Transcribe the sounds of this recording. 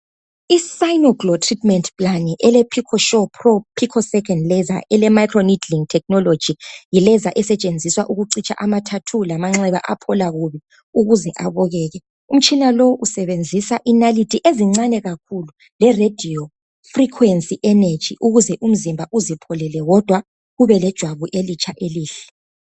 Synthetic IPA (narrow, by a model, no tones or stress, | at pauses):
isajnɔɡlɔtʰritʰʼmɛntʰʼpʼlaniʔɛlɛpʰikʰɔʃɔpʰrɔpʰikʰɔsɛkʰɛndlɛza̰ʔɛlɛmajkʰrɔnidliŋtʰɛk̚nɔlo̥d͡ʒ̥ʱijilɛzaʔɛsɛt͡ʃʼend͡zʱiswaʔuɣuǀit͡ʃʼa̰ʔamatʰatʰulamaŋ͡ǁɛβa̰ʔapʰɔlaɣuβi | uɣuzɛʔa̰βɔɣɛːɣɛ | um̩t͡ʃʼinaloʔusɛβend͡zʱisaʔinalitʰʼiʔeziŋ͡ǀanɛɣakʰulu | lɛred̥ʱiɔ | frikʰwensʼiʔɛned̥ʒ̥ʱḭʔuɣuzɛʔum̩zimbʱaʔuzipʰɔlɛlɛɣɔd̥ʱwa | ɣuβɛlɛd̥ʒ̥ʱwaβuʔelit͡ʃʰʼaʔeliːɬɛ̥